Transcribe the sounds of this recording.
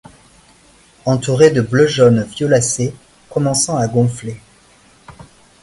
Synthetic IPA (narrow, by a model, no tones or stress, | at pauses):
ɑ̃t̪uʁed̪əbləʒɔnvjɔlase | kɔmɑ̃sɑ̃aɡɔ̃fle